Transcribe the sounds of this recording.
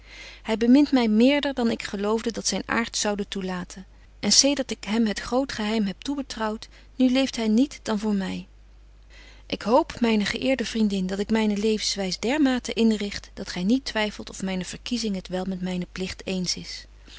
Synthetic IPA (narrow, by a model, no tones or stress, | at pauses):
hɛjbəmɪntmɛjmɪːɹdəɹdɑnɪkχəlowvdədɑtsɛjna̰ːɹtsɑwdətulaːtʰən | ʔɛnsejdəɹtɪkɦɛmɦətχrowtχəɦɛjmɦɛp̚tubətrɑwt | nylejftɦɛjnitdɑnvʊːɹmɛj | ʔɪkɦowpmɛjnəχəʔɪːɹdəvrindɪndɑtɪkmɛjnəlejvənsʋɛjsdɛɹmaːtəʔɪnrɪχtd̥ɑtχɛjnitʋɛjfəlˠtɔfmɛjnəv̥əɹkizɪŋɦətʋɛlˠmɛtmɛjnəplɪχtejnsɪs